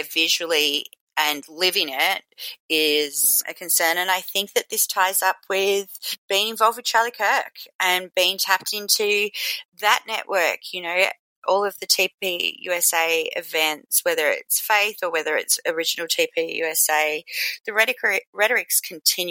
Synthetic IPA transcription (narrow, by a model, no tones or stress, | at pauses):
vɪʒl̩ˠi | ɨ̃nlɪvɪ̃ŋɪɾɪz̥ɨ̰kʰɨ̃nsɜ̃˞nɨ̃naɪθɪ̃ŋk̚ðɨt̪̚ðɪstʰaɪzʌpʰwɪð̥b̥iɪ̃ŋɨ̃ɱvɑlˠvd̚wɨð̥t͡ʃʰɑɹlˠikʰɜ˞kʔɨ̃nbiɪ̃ŋtʰæp̚tɪ̃ntʰʉðɨʔⁿnɛ̰ʔwɜ˞kʰjɨnoʊ | ʔɔlˠʌvðɨtʰip̚ijʉ̰ɛseɪɨ̰dvɛ̃nswɛðə˞ɪ̰tsfeɪθə˞wɛðə˞ɨ̰tsə˞ɪd͡ʒɨn̩l̩ˠtʰipʰijʉ̰ɛseɪðɨɹɛɾɨkiɹɛɾə˞ɨkskʰn̩tʰɪ̃nj